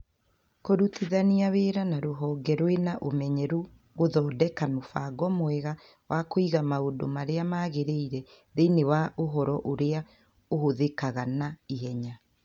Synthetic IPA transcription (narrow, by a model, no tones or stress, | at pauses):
koɾutiðaniaβeɾanaɾoɦɔːɡɛɾwenaʔomɛɲɛɾu | ɣoðɔːdɛkamofaɡɔmwɛɣa | wʔakoiɣamaodo̰maɾeamaːɣeɾeiɾɛ | ðeinewaʔoɦɔɾɔʔoɾea | ohoðekaɣanaiɦɛɲa